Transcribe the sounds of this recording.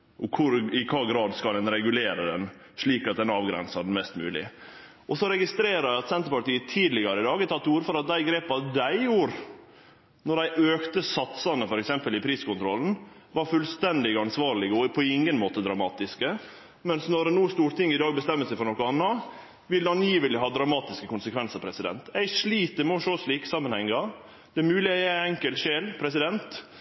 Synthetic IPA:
ʔɔkʰʊɾɪkʰɑːɡɾɑːd̪skɑlɛnɾɛɡʉleːɾəd̪ɛn | ʂɭiːkɑt̪̚d̪ɛnɑːʋɡɾɛ̰nsɑdn̩mɛst̪mʉ̰ːlɪ̰ | ɔsɔɾɛɡɪst̪ɾeːɾəɾæɪɑt̪sɛnt̪əɾpɑʈ̪iːət̪ʰiːd̪lɪɡɑɾəɪd̪ɑːɡɪt̪ʰɑt̪ːəuːɾəfɔɾɑt̪̚d̪æɪɡɾeːpɑd̪æɪjuːɾ | nɔɖæɪʔøːkt̪əsɑt̪sɑnəfɔɾɛksɛmpəlɪpʰɾiːskʊnt̪ʰɾɔln̩ | ʋɑɾfʉlst̪ɛnd̪ɪɡɑnsʋɑːɾɭɪɡɔpʰɔɪŋːənmoːt̪əd̪ɾɑmɑːt̪ɪskə | mɛnsnɔɾnuːst̪uːɾt̪ʰɪŋːɪd̪ɑːɡ̚bəst̪ɛmːəlsɛɪfɔɾɳnɔkːɔɑnːɑ | ʋɪlɑnjiːʋəlɪɦɑːd̪ɾɑmɑːt̪ɪskəkʊnsəkʰʋɛnsəɾpʰɾɛsɪd̪ɛ̰nt̪ɛɪʂɭiːt̪əɾmɛɔʂoːslɭiːkə̥sɑmːənhɛŋːɑ | d̪̥ɛæɾmʉːlɪɑæɛŋkəlt̪ʃeːlpʰɾɛsɪd̪ɛnt̪

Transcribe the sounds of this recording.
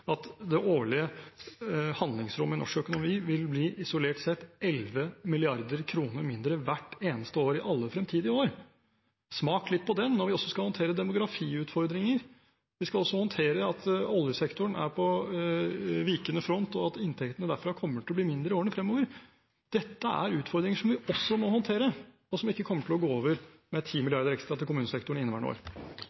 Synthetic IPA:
ɑt̪d̪ɛʔoːɭɪə | hɑnd̪lɪŋsɾʊmːəɪnɔ̰ʂkœkʊnʊmiːʋɪlbliːʔɪsʊleːʈsɛt̪ɛlʋəmɪlɪɑɾd̪əɾkʰɾuːnəɾmɪnd̪ɾəʋæʈːeːnəst̪əoːɾɪʔɑlːəfɾɛmt̪ʰiːd̪ɪoːɾ | smɑːklɪt̪̚ːpʰɔd̪ɛnːɔɾʋɪɔsːɔskɑhɔnt̪ʰeːɾəd̪ɛmʊɡɾɑfiːʉːt̪fɔɾd̪ɾɪŋəɾ | ʋɪskɑɔsːɔhɔnt̪ʰeːɾəɑt̪ɔləsɛkt̪ʊəɳæ̰ɾpʰɔ | ʋiːkənəfɾɔnt̪ɔɑt̪ɪnt̪ʰɛkt̪ənəd̪æɾfɾɑkʰɔmːəʈʰɪlɔbliːmɪnd̪ɾəoːəɳəfɾɛmːoːʋəɾ | d̪̥ɛt̪ːəæ̰ɾʉːt̪fɔɾd̪ɾɪŋəʂɔmʋɪɔsːɔmɔhɔnt̪ʰeːɾə | ɔsɔmɪkːəkʰɔmːəʈʰɪlɔɡoːoːʋəɾ | mɛt̪ʰiːmɪlɪɑɾd̪əɾɛkst̪ɾɑt̪ɪkʊmʉːnəsɛk̚t̪ʊɳ̩ɪnːəʋæ̰ɳo̰ːɾ

